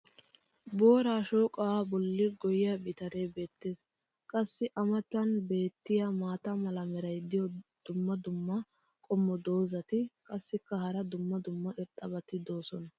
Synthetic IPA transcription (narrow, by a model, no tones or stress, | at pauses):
bo̞ːɾaːʃo̞ːkʼɐwaːbɔlːɪɡɔjɪjɐbɪt̪ɐɾebe̞ːt̪ːeːs | kʼɐsːɪʔɐmɐt̪ːɐnbe̞ːt̪ːɪjɐmaːt̪ɐmɐlɐmɛɾɐjd̪ɪjɔd̪̥ʊmːɐd̪ʊmːɐ | kʼɔmːɔd̪o̞ːzɐt̪ɪkʼɐsːɪkːɐhɐɾɐd̪ʊmːɐd̪ʊmːɐʔɪɾt̪ʼɐbɐt̪ɪd̪o̞ːsɔnɐ